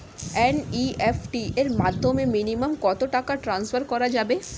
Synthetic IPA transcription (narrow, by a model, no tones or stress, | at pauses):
ɛːniefʈieɾmaːd̪ʱːomẽminiməmkɔːt̪oʈakaʈɾãːnsfʰəɾkɔɾad͡ʒaːbe